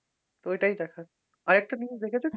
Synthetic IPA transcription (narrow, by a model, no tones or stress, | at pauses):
t̪oejʈaid̪ɛkʰa | aɾɛk̚ʈanid͡ʑd̪ekʰet͡ɕʰe